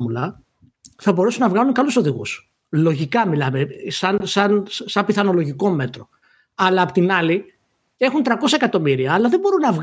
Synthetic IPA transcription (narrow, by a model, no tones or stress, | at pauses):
mulɐ | θɐbo̞ɾesunɐvɣɐluŋkɐluso̞ðiɣṵs | lo̞ʝikɐmilɐmesɐnsɐnsɐmpiθɐno̞lo̞ʝiko̞me̞t̪ɾo̞ | ɐlɐːpot̪inɐli | e̞xunt̪ɾɐko̞sɐe̞kɐt̪o̞miɾiɐːlɐðebo̞ɾunɐvɣ